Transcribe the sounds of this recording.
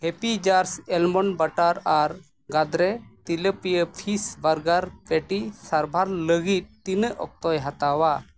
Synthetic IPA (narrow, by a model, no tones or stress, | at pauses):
hɛpid͡ʒaɾsɛlmɔnbaʈaɾaɾ | ɡad̪ɾɛt̪iləpijəpʰisbaɾɡaɾpɛʈisaɾbʱaɾləɡit̪̚t̪inəʔɔ̰k̚t̪ɔjɦat̪awa